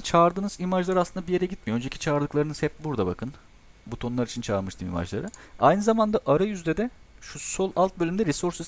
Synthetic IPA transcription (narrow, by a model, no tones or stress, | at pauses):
t͡ʃʰaːɾd̪ɯːnɯzimaʒlˠaɾasɯnd̪abije̞ɾɛɟit̪mijoønd͡ʒecʰi̥t͡ʃʰaːɾd̪ɯklˠaɾɯnɯz̥hɛp̚buɾd̪abakʰɯn | but̪ʰo̞nlˠaɾit͡ʃʰint͡ʃʰaːɾmɯʃt̪ʰɯːmḭma̰ʒlˠa̰ɾɯajnɯzamand̪aʔaɾajyzd̪ɛd̪ɛ | ʃuso̞lˠalˠt̪̚bølʲymd̪ɛɾɛsoɾsys